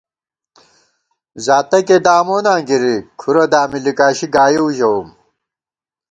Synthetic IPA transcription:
zaːt̪ɐked̪aːmoːnãːɡiɾikʰuɾɐd̪aːmilikaːɕiɡaːjiuʑɐum

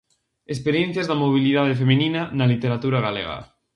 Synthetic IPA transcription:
espeɾjẽn̟θjazðamoβ̞iliðað̞efemininanalit̪eɾat̪uɾaɣalḛɣa̰

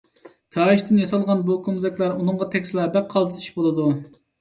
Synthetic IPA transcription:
k̪ʲʰɑːiʃt̪ʰɪnjɑsɑlˠʁɑnbukʰomzɛkʲlæɾunɨŋɴʁɑt̪ʰɛkʲslˠɑbɛk̚qʰːɑlˠt̪ʰi̥ʃbolˠɨd̪u

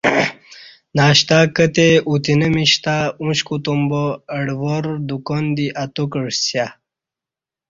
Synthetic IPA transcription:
naːɕt̪akət̪eʔut̪inəmiɕt̪aũɕkut̪umboəɽvoɾd̪ukond̪iʔat̪ukəɽsja

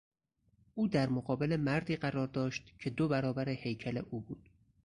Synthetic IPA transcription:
ʔuːd̪æɾmoɢɒːbe̞le̞mæɾd̪iːɢæɾɒːɾd̪ɒːʃt̪cʰe̞d̪obæɾɒːbæɾehe̞jcʰæle̞ʔuːbuːd̪̥

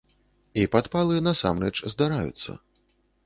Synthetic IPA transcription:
ipat̪palˠɨnasa̰mɾɛt͡ʂzd̪aɾajṵt̪sːɐ̰

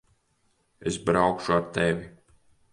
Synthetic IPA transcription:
esbɾawkʃuaɾt̪evʲi

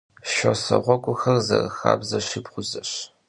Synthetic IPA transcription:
ʃosɐʁʷɔkʷʼʊxɐrzɐrxaːbzɐɕipχʷʊzɐɕ

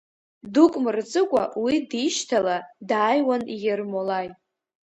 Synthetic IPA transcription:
dukʷʼmɨrt͡sʼɨkʷʼawidiʃtʰaladaːjwanijermolajʼ

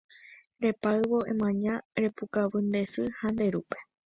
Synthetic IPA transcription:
ɾe̞paɨʋo̞ʔḛ̃mãɲãɾe̞pukaʋɨnd̪e̞sɨhãnd̪e̞ɾupe̞̥

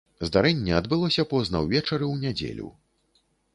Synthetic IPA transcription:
zd̪aɾɛnʲːɛɐd̪bɨlˠɔsʲɐpɔznɐwvʲɛt͡ʂɐɾɨwnʲad͡zʲḛlʲṵ

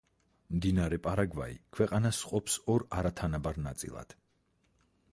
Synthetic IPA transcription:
md̪inaɾɛpʼaɾaɡva̰ḭkʰwɛqʼanasqʼɔpsɔɾaɾat̪ʰanabaɾnat̪sʼḭlˠa̰d̪̥

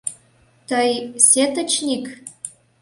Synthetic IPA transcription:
t̪əjsʲet̪ə̆t͡ɕnʲik

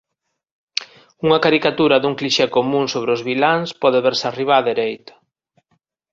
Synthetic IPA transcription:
uŋɐkaɾikat̪uɾɐðuŋkliʃekomũŋsoβ̞ɾeozβilaŋspɔðeβeɾsariβaðeɾejt̪o̥

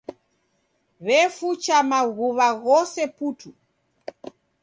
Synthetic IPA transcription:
βɛfut͡ʃamaɣuβaɣɔsɛputu

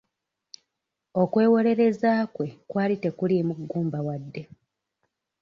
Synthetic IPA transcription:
o̞kwe̞ːwo̞le̞ɾe̞zaːkwe̞kwaːlite̞kuljemuɡːuːmbawadːe̞

